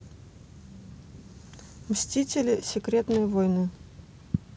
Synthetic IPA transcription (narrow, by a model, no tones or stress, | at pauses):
msʲtʲitʲɪlʲɪsʲɪkɾʲet̪nəjvojnɨ